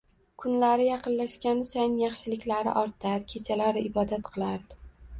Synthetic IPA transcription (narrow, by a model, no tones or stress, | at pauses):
kʰʊnlaɾɪjɑqʰɨnlaʃkʲansanjɑχʃɪlɪkʲlaɾɪ̰ʔɒɾt̪ʰaɾkʲʰet͡ʃʰalaɾɪʔɪbɒd̪at̪qʰɨlˠaɾd̪ɪ